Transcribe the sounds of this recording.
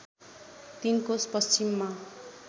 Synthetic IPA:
t̪inkospʌst͡ɕimːa

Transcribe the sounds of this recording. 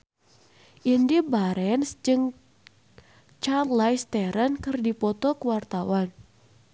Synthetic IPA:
ʔindibaɾɛnsd͡ʒɨŋ | t͡ʃanlajst̪ɛɾənkɨrdipɔt̪ɔkuwart̪awan

